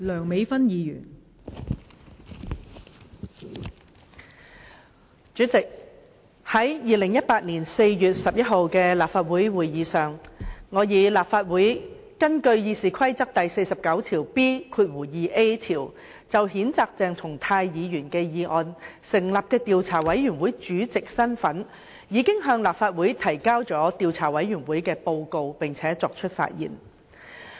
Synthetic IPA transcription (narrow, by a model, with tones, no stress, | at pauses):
lœː˨˩ŋme˨˧jfɐ˥njiː˨˧jy̰ː˨˩n | t͡ʃyː˨˥t͡sɪ˨k̚ | hɐ˨˥jjiː˨lɪ˨˩ŋjɐ˥t̚paː˧t̚niː˨˩nse˧jjyː˨t̚sɐ˨p̚jɐ˥t̚ho˨wkɛː˧laː˨p̚faː˧t̚wuː˨˥jwuː˨˩jjiː˨˧sœː˨˩ŋːɔː˨˧jiː˨˧laː˨pfaː˧t̚wuː˨˥j | kɐ˥nkɵ˧ɥjiː˧siː˨˩kʰɐ˥jt͡sɐ˥k̚t̪ɐ˨jse˧jsɐ˨p̚kɐ˨˥wt̪ʰiː˨˩wpiː˥kʰuː˧t̚wuː˨˩jiː˨˧ʔe˥t̪ʰiː˨˩w | t͡sɐ˨whiː˨˥nt͡saː˧k̚t͡sɛː˨˧ŋt̪ʰʊ˨˩ŋt̪ʰaː˧jjiː˨˧jyː˨˩nkɛː˧jiː˨˧ʔɔ̰ː˧nsɪ˨˩ŋlaː˨p̚kɛː˧t̪iː˨wt͡sʰaː˨˩wɐ˨˥jɥyː˨˩nwu˨˥jt͡ʃyː˨˥t͡sɪ˨k̚sɐ˥nfɐ˨˥n | jiː˨˧kɪ˥ŋɦœː˧ŋlaː˨p̚faː˧t̚wuː˨˥jt̪ʰɐ˨˩jkaː˥wt͡sɔː˨˥t̪iː˨wt͡sʰaː˨˩wɐ˨˥jɥyː˨˩nwuː˨˥jkɛː˧po˧wko˧wpɪ˨ŋt͡sʰɛː˨˥t͡sɔː˧k̚t͡ʃʰɵ˥t̚fa̰ː˧t̚jḭː˨˩n